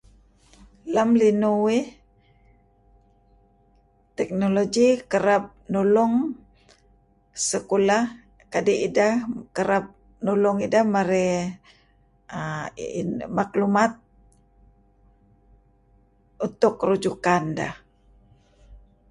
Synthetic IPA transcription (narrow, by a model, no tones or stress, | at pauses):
lamlinuwi | t̪ɛk̚noloɡikəɾap̚nulɔŋ | səkula | kadiidakəɾap̚ | nɔlɔŋidahmaɾɛ | maklumat̪̚ | ut̪ʊkːəɾud͡ʒukanda̰h